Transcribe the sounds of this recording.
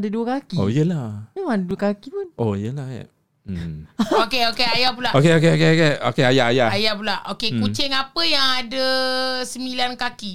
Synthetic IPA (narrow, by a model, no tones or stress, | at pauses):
daduəkakio̰ijəlamemãadəduəkakipunʔoijəlahja̰ | okeokeajap̬ulaʔokeok̬eok̬eokeokeajaʔajaajapulaʔokekut͡ʃɪŋapəjaŋadəsəmilankaki